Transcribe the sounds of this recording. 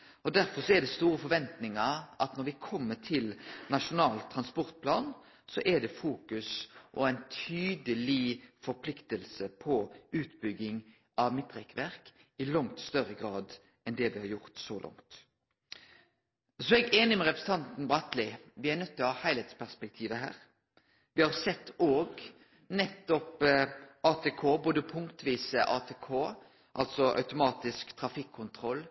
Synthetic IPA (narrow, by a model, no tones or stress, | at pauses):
ɔd̪æɾfɔɾsɔɛd̪ɛst̪uːɾəfɔɾʋɛnt̪nɪŋəɾʔɑ̰t̪nɔɾʋɪkʰɔmːət̪ʰɪlnɑʂʊnɑːlt̪ʰːɾɑnspɔɾt̪̚pʰlɑːn | sɔʔɛd̪ɛfuːkʉsʔɔæɪnt̪ʰyːd̪əlɪfɔɾpʰlɪkt̪əlsəpʰɔʉːt̪bʏɡːɪŋ | ɑʋmɪt̪ːʁɛkʋæɾk | ɪlɔŋt̪st̪œɾəɡɾɑːd̪ | ɛnd̪ɛʋɪhɑɾjʊʁt̪sɔlʔɔ̰ŋt̪ | sɔɛɡeːnɪmɛʁɛpɾsət̪ʰɑnt̪n̩bʁɑt̪lɪʋɪæɾnœt̪ʰːlɔhɑːhæɪhɛɪt̪spæʁspɛk̚t̪ʰiːʋəɦæ̰ːɾ | ʋɪhɑʁsɛt̪ːoːɡ | nɛt̪ːɔpʔɑːt̪ʰekʰoːboːd̪əpʰʊŋkt̪ʋiːsəʔɑːt̪ʰeːkʰoː | ʔɑlt̪sɔʔɑ̰ʉt̪ʊmɑːt̪ɪskt̪ʰɾɑfɪkʰːʊnt̪ʰɾɔlː